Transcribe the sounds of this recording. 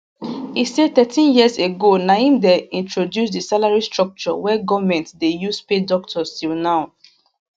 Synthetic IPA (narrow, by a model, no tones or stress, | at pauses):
ised̚t̪ɛtʰĩnjiəseɡonaĩmdɛĩntʰɹodjusdisalaɹistɹɔk̚t͡ʃɔ̰wɛɡɔvmɛ̃ntdejuspedɔk̚tʰɔstʰilnaʊ